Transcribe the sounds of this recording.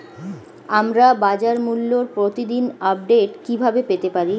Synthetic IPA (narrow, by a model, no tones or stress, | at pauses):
amɾabad͡ʑaɾmulːoɾpɾot̪id̪inap̚ɖeʈkibʱabepet̪epaɾi